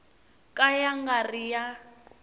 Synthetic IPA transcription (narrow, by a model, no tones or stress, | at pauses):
kʼajaŋɡarija